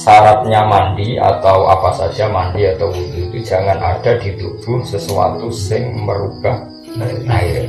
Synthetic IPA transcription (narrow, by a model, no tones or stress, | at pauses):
saɾat̪̚ɲamanɖia̰t̪awapasḁd͡ʒamandiat̪awud̪uit̪ud͡ʒaŋanʔa̰d̥adid̪uɡ̥ʊhsəsua̰t̪usɪŋməɾub̥ah | aɪr